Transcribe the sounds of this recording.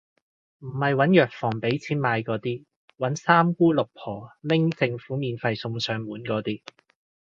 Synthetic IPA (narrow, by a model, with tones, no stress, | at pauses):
m̩˨˩hɐ˨jwɐ˨˥njœː˨k̚fɔː˨˩ŋpe˨˥jt͡sʰiː˥nmaː˧jkɔː˨˥t̪iː˥ | wɐ˨˥nsaː˥mkuː˥lʊ˨k̚pʰɔː˨˩lɪ˥ŋt͡sɪ˧ŋfuː˨˥miː˨nfɐ˧jsʊ˧ŋsœː˨˧ŋmuː˨˥nkɔː˨˧˥t̪iː˥